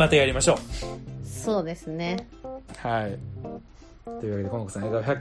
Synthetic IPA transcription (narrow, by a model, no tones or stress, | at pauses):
at̪ejaɾʲimaɕo̞ː | so̞ːd̪e̞sɨne | hai | t̪o̞ji̟βaked̪koŋokɯ̟sãet̪açʲakː